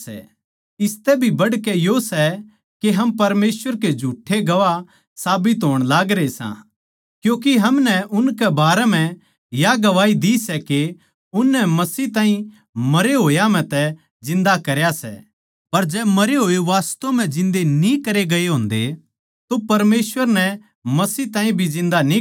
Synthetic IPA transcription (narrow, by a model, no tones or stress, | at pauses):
ɛ̰ | ɪst̪ɛbʱibɐɽkɛjosɛ | keɦɐmpɐɾmeːsʋəɾked͡ʒʱuːʈʰːeɡɐʋa | saːbɪt̪ɦoːɽ̃laːɡɾeesã̰ | kjũːk̬iɦɐmnɛʔʊnkɛbaːɾɛm̤ɛ̃ | jaɡɐʋaːid̪isɛke | ʊnːɛmɐsiːt̪ãːɦĩ | mɐɾeɦoːjam̤ɛ̃t̪ɛ | d͡ʒɪ̃nd̪akɐɾjasɛ̰ | pɐɾd͡ʒɛːmɐɾeɦoːeʋaːst̪õm̤ɛ̃d͡ʒɪ̃nd̪enĩkɐɾeɡɐeɦõːnd̪e | t̪opɐɾmeːsʋəɾnɛ | mɐsiːt̪ãːɦĩbʱid͡ʒɪ̃nd̪anĩ